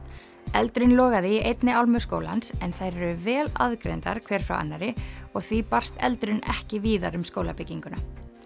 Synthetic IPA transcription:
ɛlt̪ɾʏnlɔːɣaðɪiʔejt̪nɪalmʏskoːwla̰nsɛnθajɾɛɾʏvɛːla̰ðkɾḛjnt̪a̰ɾ̥kʰv̥ɛːɾ̥fɾa̰wʔa̰nːaɾɪɔɣθvipar̥st̪ɛ̰lt̪ɾʏnɛ̰hcɪviːðaɾʏmskoːwlapɪcːiŋkʏna

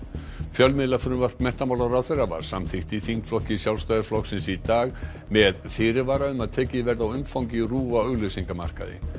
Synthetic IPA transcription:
fjœlmɪðlafʏɾʏmvar̥t̪mɛh̪t̪amaːwlaɾawθejɾava̰ɾ̥samθɪht̪iθiŋkflɔhcɪsjawlst̪aːjðaɾflɔhksɪnsit̪aːɣ | mɛðθɪːɾɪvaːɾaʏmaðt̪ʰɛːcɪvɛɾðawʏmfawŋcɪruːvaœɣlʏsiŋkama̰r̥ka̰ðɪ̰

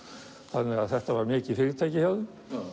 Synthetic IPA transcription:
θaðnɛɣaðθɛht̪avaɾmɪːcɪfɪɾɪt̪ʰajcɪhawðʏ

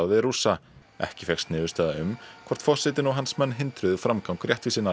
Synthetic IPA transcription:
vɪɾuːsa | ɛ̰hcɪfɛxst̪nɪːðʏst̪ɛːðaʏmkʰvɔr̥t̪fɔ̥sɪt̪ɪnɔɣɦansmɛnːɦɪnt̪ɾʏðʏfɾamkawŋkɾjɛht̪visiːnːa

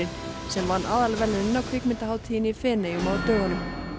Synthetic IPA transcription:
ɪn | sɛmvanːʔaːðalvɛlɪɾɪnːawkʰɾɪkmɪnt̪aɦaːwt̪ʰiːjɪnifɛːnejʏmaːwt̪œːɣanʏm

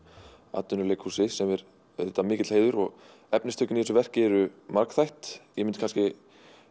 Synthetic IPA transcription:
a̰ːt̪ːʏnʏɾleːkhuːsɪsɛmɛɾ | ɛt̪ːamɪːcɪt̪lheːjðʏɾɔɣ | ɛpnɪst̪ʰœːcːʏniɛsʏvɛr̥cɪɛɾʏmaɾkθajht̪jɛmʏnt̪ɪ̥kʰanscɪ

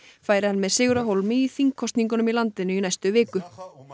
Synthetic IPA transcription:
faːjɾɪhanːmɛðsɪːɣʏɾaɦowlmɪiθiŋkʰɔst̪niŋkʏnʏmilant̪ɪnʏinajst̪ʏvɪːkʏ

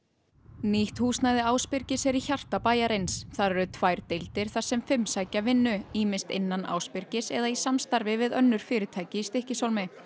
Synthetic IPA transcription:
niht̪huːsnajðɪaːwspɪɾ̥cɪsɛɾiçar̥t̪apaːjaɾejnsθaɾɛɾʏt̪ʰvaːjɾ̥t̪ɪjlt̪ɪɾ̥θaɾ̥sɛmfʏmsaːjcavɪnːʏiːmɪnst̪ɪnːana̰ːwspɪɾ̥cɪsɛðaisamst̪aɾvɪvɪðœnːʏɾ̥fɪːɾɪt̪ʰaːjcɪist̪ɪhcɪsawlmɪ

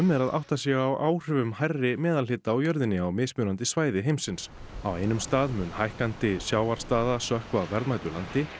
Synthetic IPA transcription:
ʏmɛɾaðʔa̰wht̪asjɛɣaawʔaːwr̥ʏvʏmhajrːɪmɛːðalɪːt̪aːwjœɾðɪnːɪawmɪːðsmjʏːnant̪ɪsvaːjðɪɦejmsɪns | a̰wejnʏmst̪aːðmʏnhajhkant̪ɪsjaːwaɾ̥st̪aːðasœhkvavɛɾðmaːjt̪ʏɾla̰nt̪ɪ

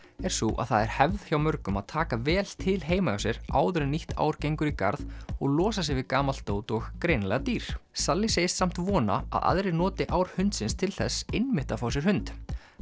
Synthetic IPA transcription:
ɛɾ̥suʔa̰ðθaðɛɾ̥hɛvðçjawmœɾkʏmaðt̪ʰaːkavɛːlt̪ʰɪlɦeːjmaawsjɛɾa̰ːwðʏɾɪniht̪ʰa̰ːwɾ̥cejŋkʏɾika̰ɾðɔɣlɔːsas̬ɪvɪkaːmal̥t̪oːwt̪ɔɣkɾejnlɛːɣat̪iːɾ̥salːiseːjssam̥t̪vɔːna̰a̰ða̰ðɾɪnɔːt̪ɪʔawɾ̥hʏnt̪sɪnst̪ʰɪlθɛsɪnmɪht̪afawsjɛɾ̥hʏnt̪

